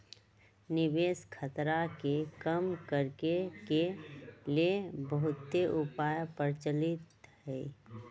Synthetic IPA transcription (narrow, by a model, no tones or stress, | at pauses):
nɪbeːskʰət̪ɾakekəmkəɾkekeliebəɦʊt̪ːeʔupaːjpəɾt͡ʃəlɪt̪ɦɛː